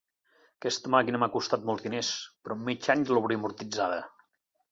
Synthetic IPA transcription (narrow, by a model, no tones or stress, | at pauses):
kɛst̪əmakinəmakust̪at̪̚mɔlˠzðinespɾɔmːit͡ʃaɲzloβɾeəmuɾt̪id͡zaðə